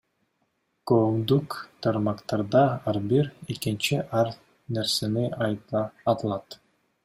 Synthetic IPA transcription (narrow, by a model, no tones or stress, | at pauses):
komd̪ukt̪ʰɑɾmɑqt̪ɑɾd̪ɑɑɾbiɾekint͡ʃiʔɑɾ | neɾseniɑjɑːt̪ɯlˠɑt̪